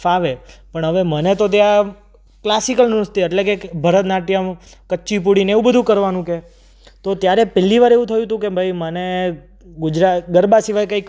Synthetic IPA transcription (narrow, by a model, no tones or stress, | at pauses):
aʋepəɳɦəʋemənet̪ot̪̬ja | klasikəlnust̪iɛʈlekebʱəɾət̪naʈjəm | kəːt͡ʃip̬uɽineʋũbəd̪ʱũkəɾʋanũke | t̪ot̪jaɾepɛlːiʋaɾeʋũt̪ʰəjũt̪ũkebʱəjməne | ɡʊd͡ʒɾaɡəɾbasiʋajkəik